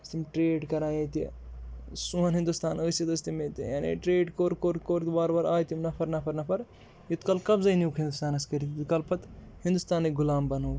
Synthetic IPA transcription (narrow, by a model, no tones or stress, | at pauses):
ɐst̪ʰimʈɾeːɖkɐɾãːjet̪i | suɐnɦĩnd̪ust̪aːnəːjsit̪ɐst̪imet̪ijaːnḭʈɾeːɖkoːɾkoɾkoːɾt̪baːɾbɐɾaːjt̪imnɐpʰɐɾnɐpʰɐɾnɐpʰɐɾ | jut̪kɐlkɐbzɐjnuːkɦind̪ust̪aːnɐskɐɾit̪kɐlpʰɐt̪hĩnd̪ust̪aːnːiɡulaːmbɐnɐw